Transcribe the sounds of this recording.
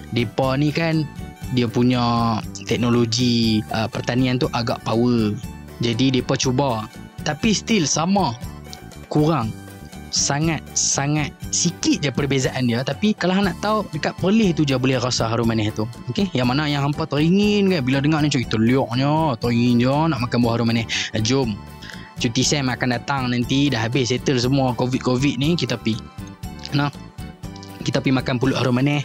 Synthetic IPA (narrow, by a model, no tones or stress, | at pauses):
depanikandiapuɲãt̪ɛk̚noloɡiʔəpərt̪aniant̪uʔaɡa̰ʔpawə | d͡ʒadidepat͡ʃubat̪apist̪ilsama | kuɾaŋ | saŋat̪̚saŋat̪̚sikit̪̚d͡ʒapərbezaʔandiat̪apikalaɦnaʔt̪audəkat̪̚pərlɪht̪ud͡ʒabolɛhɾasaɦaɾʊmanɛht̪uokejaŋmanajaŋɦampat̪ɔiŋinkanbiladəŋaʔnit͡ʃɔʔkit̪əliɔʔ̚d͡ʒɔt̪ɔiŋind͡ʒɔnaʔmakanbuahaɾʊmanɛhd͡ʒom | t͡ʃut̪isɛmakandat̪aŋnant̪idahɦabɪsset̪əls̬əmuakovit̪̚kovit̪̚nikit̪api | nah | kit̪apimakanpulʊʔhaɾʊmanɛh